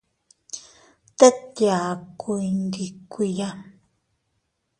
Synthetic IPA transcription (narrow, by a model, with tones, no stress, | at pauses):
t̪e˦t̪ja˨ku˧˨i˨˧nd̪i˨kʷi˧ja˦